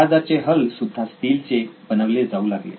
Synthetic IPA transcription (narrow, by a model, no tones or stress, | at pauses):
ad͡zat͡seɦəlsud̪ʱːasʈiːlt͡sebənəʋled͡zaulaɡlḛ